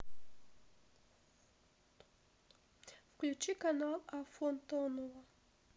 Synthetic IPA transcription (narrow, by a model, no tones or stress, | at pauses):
fklʲut͡ʃikanalˠafont̪onɔvɐ